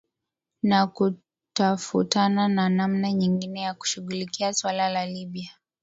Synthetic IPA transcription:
naku | tafṵtanananamnaɲiŋɡinɛjaku̥ʃuɣulikiaswalalaliɓia

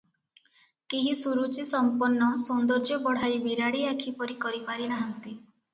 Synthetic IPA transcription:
kiɦisuɾut͡ʃisɔmpɔnːɔsund̪ɔɾd͡ʒjɔbɔɽ̤ajbiɾaɽiakʰipɔɾikɔɾipaɾinaɦɔnt̪i

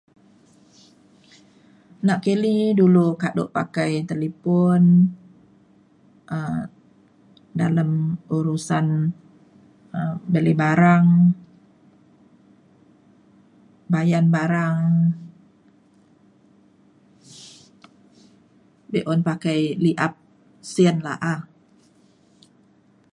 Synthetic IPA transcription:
naʔkelidulukado̰ʔpa̰kajt̪elepɔn | ʔə | daləmuɾusan | əbəlibaɾaŋ | bajanbaɾaŋ | beʔɔnpakajliʔap̚ | siənla̰ʔa

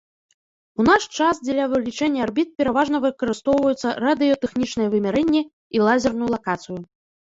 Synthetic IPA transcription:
un̪aʂt͡ʂasd͡zʲɛlʲɐvɨlʲit͡ʂɛnʲːɛarbʲit̪̚pʲɛɾavaʐnɐvɨkɐɾɨst̪ɔwvɐjut̪sːɐ̰rad̪ɨjɔt̪ɛxnʲit͡ʂnɨjɛvɨmʲɛɾɛnʲːɛ | ilˠazʲɛrnujulˠakat̪sɨju

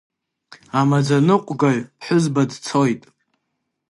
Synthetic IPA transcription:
amad͡zanɨqʷʼɡaɥpʰħʊzbadt͡sʰo̞jtʼ

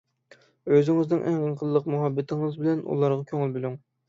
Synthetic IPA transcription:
øzɪŋɪznɪŋʔæŋʁənqʰəlˠːəqmuɦɑbːɪt̪ʰɪŋɨzbɪlɛnʔṵlˠɑɾʁɑkʲʰøŋɪlbylyŋ

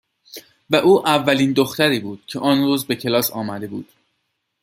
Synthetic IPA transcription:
væʔuːʔævːæliːnd̪oxt̪æɾiːbuːd̪̥cʰe̞ʔɒːnɾuːzbe̞cʰe̞lɒːsɒ̰ːmæd̪e̞buːd̪̥

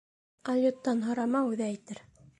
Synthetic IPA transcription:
ɑlʲjot̪ːɑnɦŏɾɑmɑʉðæːjt̪ɘɾ

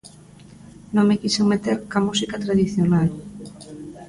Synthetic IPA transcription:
nõŋmekiseŋmet̪eɾkamusikat̪ɾaðiθjonal

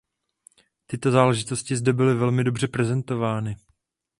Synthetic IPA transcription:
t̪ɪt̪o̞zaːlɛʒɪt̪o̞scɪzdɛbɪlɪvɛlmɪdo̞br̝ɛpɾɛzɛnt̪o̞vaːnɪ

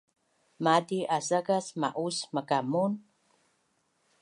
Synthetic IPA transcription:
madiʔasaɡasma̰ʔusməkamun

